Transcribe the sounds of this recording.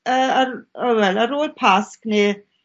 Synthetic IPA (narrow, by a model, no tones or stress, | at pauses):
əːaɾawɛlaɾoːlpʰaskne